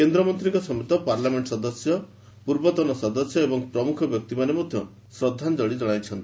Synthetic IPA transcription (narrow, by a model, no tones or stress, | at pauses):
kend̪ɾɔmɔnt̪ɾiŋkɔsɔmit̪ɔpaɾlameɳʈɔsɔd̪ɔsjɔ | puɾbɔt̪ɔnɔsɔd̪ɔsjɔebɔŋpɾɔmukʰɔbjɔk̚t̪imanemɔd̪ʱjɔ | sɾɔd̪ʱːand͡ʒɔɽid͡ʒɔɽ̃ajt͡ʃʰɔnt̪i̥